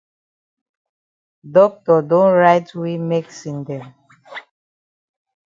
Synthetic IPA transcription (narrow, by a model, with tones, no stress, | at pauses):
dɔ˦k̚tɔ˨dõ˦nɹa˦ɪtwi˦me˦ksĩ˨ndɛ̃˨m